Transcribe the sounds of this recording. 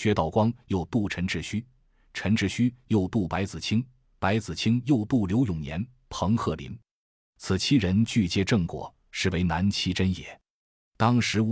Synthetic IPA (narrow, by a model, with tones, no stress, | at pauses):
ɕɥɛ˧˥t̪ɑ˨˩ʊkwɑ˥ŋjo˨˩ʊt̪u˥˩ʈ͡ʂʰə˧˥nʈ͡ʂɻ̩˥˩ɕy˥ | ʈ͡ʂʰə˧˥nʈ͡ʂɻ̩˥ɕy˥jo˥˧ʊt̪u˥˩pa˧˥ɪt͡sɹ̩˨˩t͡ɕʰi˥ŋ | pa˧˥ɪt͡sɹ̩˨˩t͡ɕʰi˥ŋjo˥˧ʊt̪u˥˩ljo˧˥ʊjʊ˨˩ŋnjɛ̰˧˥n | pʰɤ˧˥ŋxɤ˥˩lḭ˧˥n | t͡sʰɹ̩˨˩t͡ɕʰi˥ɻə˧˥nt͡ɕy˥˧t͡ɕjɛ˥˧ʈ͡ʂɤ˥˩ŋkwɔ̰˨˩˦ | ʂɻ̩˥˩we˧˥ɪna˧˥nt͡ɕʰi˥ʈ͡ʂə˥njɛ̰˨˩˦ | t̪ɑ˥ŋʂɻ̩˧˥˧